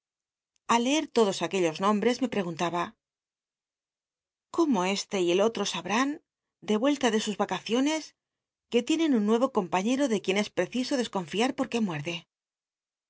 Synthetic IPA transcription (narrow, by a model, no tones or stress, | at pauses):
alːe̞eɾt̪o̞ðo̞sake̞ʎo̞znõ̞mbɾe̞zme̞pɾe̞ɣ̞unt̪aβa | ko̞mo̞e̞st̪e̞ie̞lo̞t̪ɾo̞saβɾan | d̪e̞βwe̞lt̪aðe̞suzβakaθjo̞ne̞s | ke̞t̪je̞ne̞nunːwe̞β̞o̞ko̞mpaɲe̞ɾo̞ðe̞kje̞ne̞spɾe̞θiso̞ðe̞sko̞ɱfiaɾpo̞ɾke̞mwe̞ɾðe̞